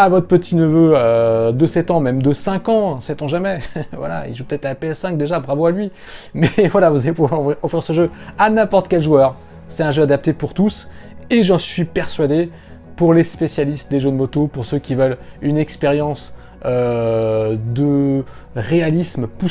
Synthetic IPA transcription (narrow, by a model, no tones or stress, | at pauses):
avɔt̪χəpət̪ʰinəvøød̪əsɛt̪ɑ̃mɛmd̪əsɛ̃kɑ̃sɛt̪ɑ̃ʒamɛvwa̰la̰ḭlʒupə̥t̪ɛt̪χaapeɛsːɛ̃k̚d̪eʒabʁavoalɥi | mɛvwalavuzalepuvwaʁʁɔfχiʁsəʒøanɛ̃pɔʁt̪kʲɛlʒwœʁ | sɛt̪ɛ̃ʒøad̪ap̚t̪epuʁt̪us | eʒɑ̃sɥipɛʁsɥad̪e | puʁlespesjalist̪̚d̪eʒønmot̪opuʁsøkʲivœlynɛkspeʁjɑ̃s | ø | d̪ə | ʁealismpu